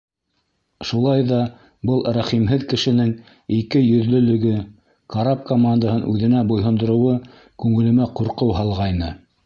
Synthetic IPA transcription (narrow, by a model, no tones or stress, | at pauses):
ʃulˠɑjðɑ | bɤlˠɾæχimɦɘðkɘ̆ʃɘ̆nɘŋ | ikɘjɵ̆ðlɵ̆lɵ̆ɡɘ | kaɾapkomand̪əɦɤnʔʉðɘ̆næbŏjɦɤ̆nd̪ɤ̆ɾoɤ̆wɤ | kʉŋɘ̆lɘ̆mæquɾqɤwɦɑlˠʁɑjnɤ